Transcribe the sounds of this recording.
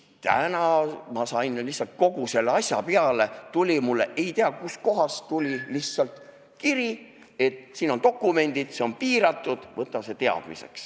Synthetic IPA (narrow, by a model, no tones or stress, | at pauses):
t̪æ̰nɑmɑsɑjnlihsɑlt̪̚ko̞ɡ̥use̞lːeɑsʲjɑ̰peɑlet̪ulʲimulːeʔe̞jt̪eɑkusko̞ɦɑst̪ulʲilihtsɑlt̪ | kiɾi | e̞t̪siːno̞nt̪o̞kːˑume̞nʲd̪̥id̪̥seo̞npiːɾɑt̪ːˑud̪̥vɤt̪ːˑɑse̞t̪e̞ɑ̰d̪̥mḭse̞̰ks